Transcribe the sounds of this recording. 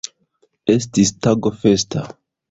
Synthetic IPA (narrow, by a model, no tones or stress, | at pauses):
estistaɡofesta